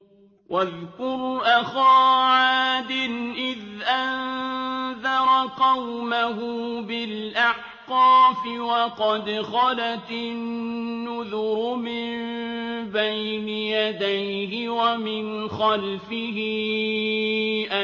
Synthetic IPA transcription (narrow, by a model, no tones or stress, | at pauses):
wʔaðkʊɾʔaxaːʕaːd̪ɪnʔɪðʔann | ðɑɾˤɑqɑwmaɦʊbɪlʔaħ | qɑːfɪwɑqɑd̪xɑlat̪ɪnːʊðʊɾmɪmn | bajnajad̪ajhɪwamɪnxalfɪhɪ | ʔa